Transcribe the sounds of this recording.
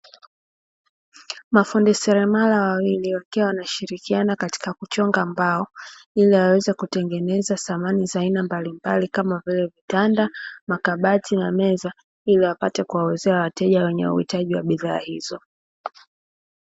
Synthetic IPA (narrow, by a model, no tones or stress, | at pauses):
mafundisɛɾɛmalawawiliwakɛwanaʃiɾikianakati̥kakut͡ʃɔŋɡambaɔiliwawɛzɛkutɛŋɡɛnɛzaθamanizainambalimbalikamavilɛvitandamakaɓatʰinamɛza | iliwapatɛkuwawɛzɛawatɛʄawɛɲɛ̰ṵhḭtaʄiwa̰ɓiða̰ːhizɔ